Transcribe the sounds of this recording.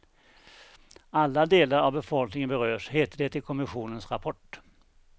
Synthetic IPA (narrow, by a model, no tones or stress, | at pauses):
alːad̪eːlaɾavbɛfɔlknɪŋənbɛɾøːʂheːt̪əɖɛt̪ʰɪlkʰɔmɪɧuːnənsɾapʰɔʈ